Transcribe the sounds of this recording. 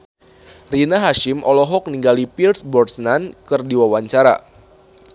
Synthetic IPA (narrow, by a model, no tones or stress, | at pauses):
rinaɦaʃɪmʔɔlɔɦɔk̚niŋɡalipilsbɔrsnankɨrdiwawaɲt͡ʃaɾa̰